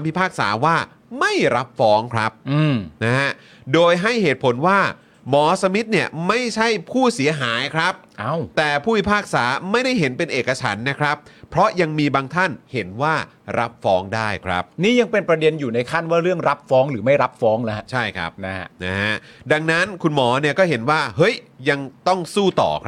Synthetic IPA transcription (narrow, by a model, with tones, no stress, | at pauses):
mpʰi˦˥pʰaː˥˩k̚sa̰ː˩˦waː˥˩ | ma˥˩jɾa˦˥p̚fɔː˦˥ŋkʰɾa˦˥p̚ɯ˧˩na˦˥ha˦˥ | doː˧jɦa˥˩jheː˨˩t̪̚pʰo˩˦nwaː˥˩ | mɔː˩˦sa˧mi˦˥t̪̚ni˥˩ɐma˥˩jt͡ɕʰa˥˩jpʰuː˥˩si˨˩˦ɐɦaː˩˦jkʰɾa˦˥p̚ʔa˧˥˩wt̪ɛː˨˩pʰuː˥˩wi˦˥pʰaː˥˩k̚saː˩˦ma˥˩jda˥˩jɦe˩˦npe˧nʔeː˨˩ka˧t͡ɕʰa̰˩˦nːa˦˥kʰɾa˦˥p̚ʰːɾɔ˦˥ja˧ŋmiː˧baː˧ŋt̪ʰa˥˩nhe˩˦nwaː˥˩ | ɾa˦˥p̚fɔː˦˥ŋdaː˥˩jkʰɾa̰˦˥p̚niː˥˩ja˧ŋpe˧npɾa˧de˧njuː˨˩na˧jkʰa˥˩nwaː˥˩ɾɯ˥˩əŋɾa˦˥p̚fɔː˦˥ŋɾɯː˩˦ma˥˩jɾa˦˥p̚fɔː˦˥ŋla˦˥˧t͡ɕʰa˥˩jkʰɾa̰˦˥p̚n˦na˦˥ɦa˦˥da˧ŋna˦˥nkʰu˧nmɔː˩˦ni˥˩ɐkɔː˥˩ɦe˩˦nwaː˥˩ɦɤ˦˥jja˧ŋt̪ɔ˥˩ŋsuː˥˩t̪ɔ̰ː˨˩kʰ